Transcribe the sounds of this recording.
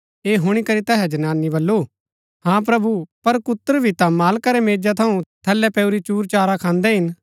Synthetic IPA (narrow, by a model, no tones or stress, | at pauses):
eːɦʊɽ̃ikɐɾit̪ɛɦɛd͡ʒɐnaːnːibɐlːoː | hãːp̬ɾɐbupɐɾkʊt̪ːəɾbʱit̪ãmaːlkaɾɛmeːd͡ʒat̪ʰɐũt̪ʰɐlːɛpɛːuɾit͡ʃuːɾt͡ʃaːɾakʰãːnd̪ɛɦɪn